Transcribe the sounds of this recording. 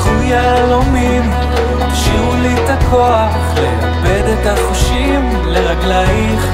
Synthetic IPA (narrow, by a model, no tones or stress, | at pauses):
χuja | lomim | ʃiulit̪akʰoaχleabed̪et̪aχuʃi | m | leʁaɡlai